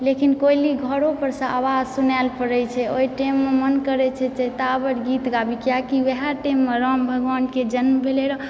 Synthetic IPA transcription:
lekinkoiliɡʱəɾopəɾsə̃ʔaʋad͡ʒsunɛlpəɾəjt͡ʃʰɛojʈemːemənkəɾɛt͡ʃʰɛt͡ʃɛt̪abəɾɡit̪ɡabikijakiʋeɦaʈemːeɾəmbʱəɡʋanɖked͡ʒənmbʱeleɾɔ

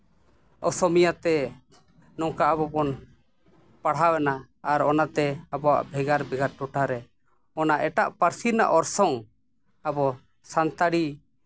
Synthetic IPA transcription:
ɔsɔmijat̪ɛ | nɔŋkaabɔbɔn | paɽɦawɛnaː | ɾɔnat̪ɛabɔwa̰ʔbʱɛɡaɾbʱɛɡaɾ̚ʈɔʈaɾɛ | ɔnaʔɛʈaʔpaɾsiɾna̰ʔɔɾsɔŋ | abɔ | sant̪aɽi

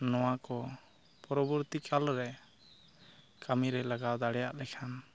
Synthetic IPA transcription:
nɔwakɔ | pɔɾɔbɔɾt̪ikʰalɾɛ | kʰamiɾɛlaɡawd̪aɽɛjaʔlɛkʰan

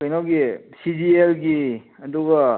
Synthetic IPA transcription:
kɐjnawɡisid͡ʒielɡi | ɐduɡɐ

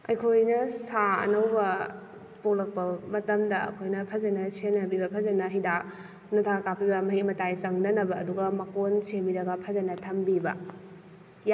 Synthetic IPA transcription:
ɐjkʰojnɐsaɐ̰nɐwbɐ | polɐk̚pɐmɐtɐmdɐɐ̰kʰojnɐpʰɐzɐnɐsenɐbibɐpʰɐzɐnɐɦidak̚ | nɐtʰakapibɐmɐɦikmɐtajsɐŋnɐnɐbɐːduɡɐmɐkonsembiɾɐɡɐpʰɐzɐnɐtʰɐmbibɐ̰ | j

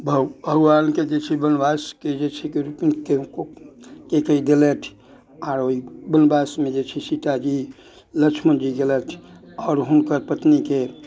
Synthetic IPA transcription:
bʱbʱəɡʋaːnked͡ʒet͡ʃʰebənbaːsked͡ʒet͡ʃʰekeɾupinkekokekəid̪elet̪ʰ | aːɾoibənbaːsmẽd͡ʒet͡ʃʰisit̪ad͡ʒi | lət͡ʃʰmənd͡ʒiɡelət̪ʰ | ɔːɾɦʊnkəɾpət̪nike

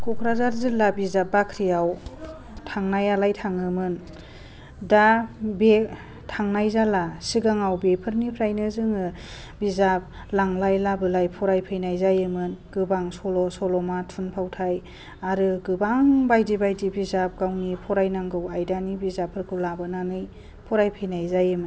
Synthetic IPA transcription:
kʰukʰɾazaɾzɯlːabizapːakʰɾijaw | tʰaŋnajalajtʰaŋɯmɯn | dabe | tʰaŋnajzalasiɡaŋawbepʰɯɾnipʰɾajnɯzɯŋɯ | bizap̚ | laŋlajlabɯlajpʰɔɾajpʰɯjnajzajɯmɯnɡ̥ɯbaŋsɔlɔsɔlɔmatʰunpʰawtʰaj | aɾɯɡɯbaŋbajdibajdibizap̚ɡ̥awnipʰɔɾajnaŋɡɯwajdanibizapʰɯɾkʰulabɯnanɯj | pʰuɾajpʰɯjnajzajɯmɯn

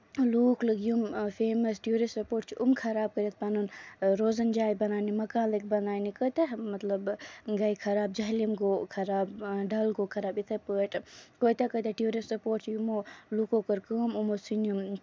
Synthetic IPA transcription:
luːkləɡjumfeːmɐsʈjuːɾisɐpoːʈ̚t͡ʃʰiʔumkʰɐɾaːb̚kəɾɐt̪̚ʰpɐnunɾoːzɐnd͡ʒaːjbɐnaːnimɐkãːnlək̚bɐnaːnikət̪emɐt̪lɐbɡɐjkʰɐɾaːb̚d͡ʒɐɦlimɡoːkʰɐɾaːbɖɐlɡoːkʰɐɾaːbit̪ʰepəːʈkoːjt̪ekət̪eʈjuːɾisɐpoːʈ̚t͡ʃʰijumoːlukokɐɾkəːmumosinjum

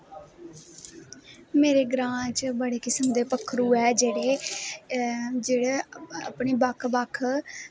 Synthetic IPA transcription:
meːɾeːɡɾãːt͡ʃbəɽeːkɪsəmd̪eːpəkʰːɾuːɛːd͡ʒeːɽeː | d͡ʒeːɽeːa̰pɳiːbəkʰbəkʰ

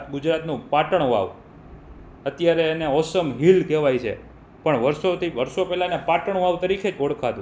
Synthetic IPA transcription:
t̪ɡʊd͡ʒɾat̪nũpaʈəɳ̃ʋa̰ʋ | ət̪jaɾeːneɔsəmɦilkɛʋajt͡ʃʰḛ | pəɳʋəɾsot̪ʰiʋəɾsopɛlanepaʈəɳ̃ʋaʋt̪əɾikʰed͡ʒoɽkʰad̪ũ

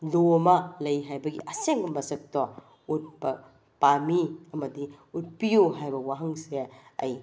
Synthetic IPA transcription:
lomɐlɐjɦajbɐɡḭʔɐseŋɐmːɐsɐk̚tɔ | ut̚bɐ | pamiɐmɐdi | ut̚pijuɦajbɐwaɦɐŋsiɾeɐ̰j

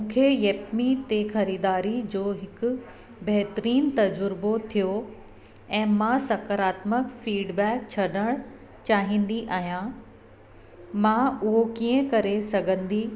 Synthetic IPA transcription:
mũːkʰejɐːpmit̪exɐɾiːd̪aːɾid͡ʑoːɦɪkʊ̆ | bɐɦɪt̪ɾiːnt̪ɐd͡ʑʊɾbot̪ʰijo | ɛ̃ːmãsɐkəɾaːt̪məkfiːɖbɛːkt͡ɕʰɐɗəɽ̃ | t͡ɕaːɦĩːnd̪iʔaːɦijã | mãʊɦokiːə̃kɐɾesɐɡʱə̃nd̪i

